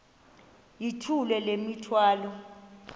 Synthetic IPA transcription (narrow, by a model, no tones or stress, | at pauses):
jitʰulɛlemitʰwaːlɔ